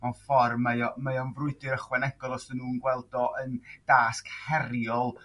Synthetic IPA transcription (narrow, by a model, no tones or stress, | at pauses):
manfɔrmːəjɔməjɔnvrʊɨdɨɾəχwɛnɛɡ̥ɔlˠɔsənːuːnɡwɛlˠdɔʔənd̥aːskhɛɾjɔlˠ